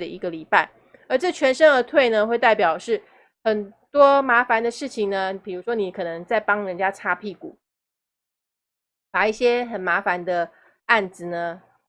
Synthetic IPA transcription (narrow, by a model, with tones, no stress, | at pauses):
d̪ə˨ʔi˧˥ɡə˨li˨˩pa˥˩ɪ | ə˞˧˥ʈ͡ʂɤ˥˩t͡ɕʰɥɛ˧˥nʂə˥ŋə˧˥t̪ʰwe˥˩ɪnə˩xwe˥˧ɪt̪a˥˩ɪpjɑ˨˩ʊʂɻ̩˥˩ | xə˨˩nt̪wɔ˥ma˧˥fa˧˦nd̪ə˧ʂɻ̩˥˩t͡ɕʰi˨˩ŋnə˦pi˨˩ɻu˧˥ʂwɔ˥ni˨˥kʰɤ˨˩nə˧˦ŋt͡sa˥˩ɪpɑ˥ŋɻə˧˦nt͡ɕja˥ʈ͡ʂʰa˥pʰi˥˩ku˨˩˦ | pa˨˩i˥˩ɕjɛ˥xə˨˩nma˧˥fa˧˦nd̪ə˧ | a˥˩nt͡sɹ̩˨˩nə˦